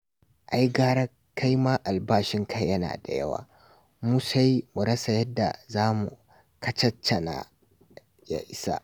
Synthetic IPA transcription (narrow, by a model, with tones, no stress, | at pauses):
ʔa˦jɡaː˦ɾɐ˦ | kʰːa˦jmaː˦ʔa˨lbaː˦˨ʃɪ˦ŋkʰa˦jːɐ˦na̰ː˨da̰˨jɐ̰˦wa̰ː˨ | muː˦sa˦ji˦mu˨ɽɐ˦sa˨jɐ˦dːa̰˨zaː˦mṵ˨ | kɐ˦t͡ʃɐ˦t͡ʃːɐ˨na̰˨ | ja̰˨ʔɪ˦sa̰˦